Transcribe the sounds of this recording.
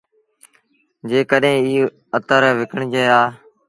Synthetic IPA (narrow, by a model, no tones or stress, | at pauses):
d͡ʒeːkəɗɦẽːiː | ət̪əɾʋɪkəɳd͡ʒeːaː